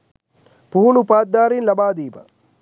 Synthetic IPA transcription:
puɦʊnupaːt̪̚d̪aːɾiːnlɐbaːd̪iːbɐ

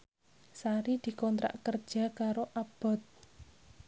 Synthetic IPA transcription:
saɾid̪̥i̤kɔnt̪ɾa̰ʔkərd̥ʒ̥a̤kaɾoʔab̥ɔ̤t̪̚

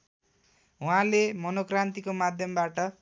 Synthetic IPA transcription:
ɦũɦãlemʌnokrant̪ikomad̪ʱjʌmbaʈʌ

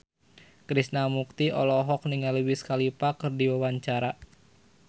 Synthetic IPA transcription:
kɾisnamuk̚t̪iʔɔlɔɦɔk̚niŋalwɪskalipakɨrdiwawaɲt͡ʃaɾa

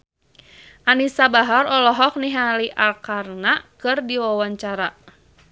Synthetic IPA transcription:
ʔanisabaɦaɾɔlɔɦɔk̚niɦaliʔalkarnakɨrdiwawaɲt͡ʃaɾa

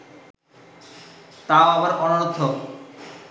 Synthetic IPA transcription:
t̪aoaβaɾʔɔnoɾot̪ʰːo

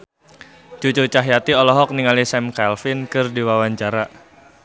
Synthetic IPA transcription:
t͡ʃut͡ʃʊt͡ʃaɦjat̪iɔlɔɦɔk̚niŋalisɛmkalfɪnkɨrdiwawaɲt͡ʃaɾa

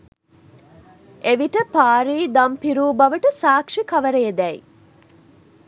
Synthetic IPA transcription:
eʋiʈəpaːɾiːd̪ɐmpiɾuːbɐʋəʈəsaːkʂikɐʋəɾejed̪ɛḭ

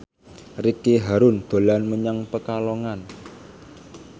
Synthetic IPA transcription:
rikiɦaɾʊnd̪̥o̤lanməɲaŋpəkalɔŋan

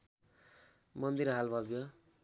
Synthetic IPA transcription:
mʌnd̪iɾɦalbʱʌbjʌ

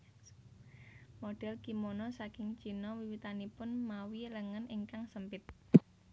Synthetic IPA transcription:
moɖ̥ɛlkimonɔsakɪŋ̥t͡ʃinɔwiwit̪anipʊnmawiləŋənɪŋkaŋsəmpɪt̪̚

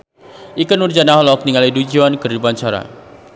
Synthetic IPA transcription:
ʔikənurd͡ʒanaɦɔlɔk̚niŋalidud͡ʒuankɨridupaɲt͡ʃaɾa̰

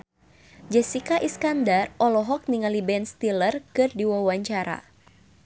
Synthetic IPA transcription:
d͡ʒɛsikaʔiskandarɔlɔɦɔk̚niŋalibɛnst̪ilərkɨrdiwawaɲt͡ʃaɾa̰

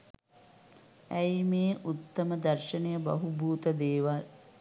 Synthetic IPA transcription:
æjimeːʔut̪ːɐməd̪ɐɾʃɐnejəbɐ̰ɦubuːt̪əd̪eːʋa

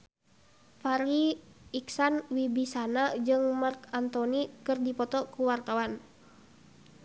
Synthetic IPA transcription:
faɾiːksanwibisanad͡ʒɨŋmarkant̪ɔnikɨrdipɔt̪ɔkuwart̪awan

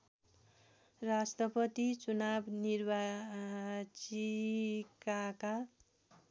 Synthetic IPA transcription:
rast̪rʌpʌt̪it͡sunabnirba | t͡sikaka

